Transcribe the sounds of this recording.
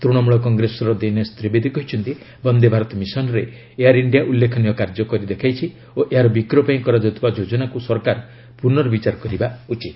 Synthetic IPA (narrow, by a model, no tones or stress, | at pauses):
t̪ɾuɽɔmuɭɔkɔŋɡɾesɔɾɔd̪enɔst̪ɾibed̪ʱikɔɦit͡ʃʰɔnt̪i | bɔnd̪ʱebʱaɾɔt̪ɔmisɔnɔɾe | eɦaɾiɳɖiaʔulːekʰɔnijɔkaɾd͡ʒɔkɔɾid̪ekʰajt͡ʃʰi | oʔeɦaɾɔbikɾɔpaĩkɔɾad͡ʒɔt̪ʰibad͡ʒod͡ʒɔnakusɔɾkaɾ | puɾnɔɾɔbit͡ʃaɾɔkɔɾibaut͡ʃit̪